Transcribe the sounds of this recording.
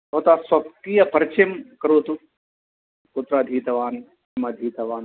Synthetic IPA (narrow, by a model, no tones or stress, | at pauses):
ɦot̪aːsɐpkiːjɐpɐɾt͡ʃimkɐɾoːt̪u | kut̪ɾaːd̪ʱiːt̪ɐʋaːn | ɐmɐd̪ʱiːt̪ɐʋaːn